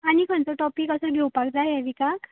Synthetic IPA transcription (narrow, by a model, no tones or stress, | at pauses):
añikʰənt͡sɔʈɔpikəsədʱewpakd͡zajɦɛʋikak